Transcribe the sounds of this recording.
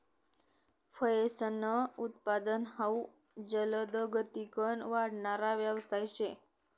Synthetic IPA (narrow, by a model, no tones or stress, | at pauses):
fʰəjesənəut̪pad̪ənɦau | d͡ʒələd̪əɡət̪ikənʋaɽnaɾaʋalsajʃe